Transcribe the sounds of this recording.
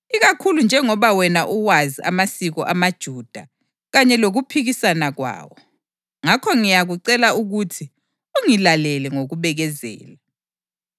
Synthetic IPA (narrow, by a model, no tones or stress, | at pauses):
iɣakʰulund͡ʒʱɛŋɔβawɛnaʔuwaziʔa̰masiɣɔʔamad̥ʒ̥ʱuːd̥ʱa | ɣaɲɛloɣupʰiɣisanaɣwa̰ːwɔ | ŋakʰɔŋijaɣuǀɛlauɣutʰi | uŋilalɛlɛŋoɣuβɛɣɛzɛ̰ːla